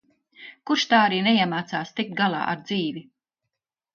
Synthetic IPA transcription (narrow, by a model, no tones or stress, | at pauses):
kuɾʃt̪aːaɾiːneiɛmaːt̪saːst̪ik̚t̪̚ɡalˠa̰ːʔa̰ɾd̪ziːvi